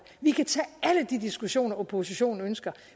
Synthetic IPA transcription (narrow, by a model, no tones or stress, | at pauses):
ʋikʰæt͡sʰɛ̰ːæləd̥id̥isɡ̥uɕo̝̰ːnɐopʰo̝siɕo̝̰ːn̩ønsɡ̥ɐ